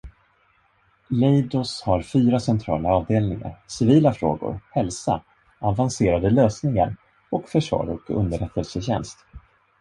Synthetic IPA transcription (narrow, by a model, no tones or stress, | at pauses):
lɛjd̪ɔshaɾfyːɾasɛnt̪ʰɾɑːlaɑːvd̪eːlnɪŋa̰ɾsɪviːlafɾo̰ːɡʊ̰ɾhɛlsa | avanseːɾad̪əløːsnɪŋa̰ɾ | ɔkfœʂvɑ̰ːɾɔkɵ̰nd̪əɾɛt̪ʰːəlsəɕɛ̰nst̪